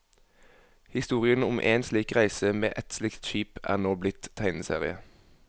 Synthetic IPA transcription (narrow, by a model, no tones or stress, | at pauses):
hɪst̪uːʁɪənʊmʔḛːnsliːkʁæɪsəmeːʔɛt̪slɪkt̪ʃiːpæ̰ːʁnoːblɪt̪t̪ʰːæɪnəsḛːʁɪ̰ə